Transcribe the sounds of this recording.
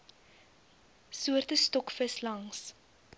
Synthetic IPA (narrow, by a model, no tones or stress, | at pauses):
suərtəstɔkfəslɐŋs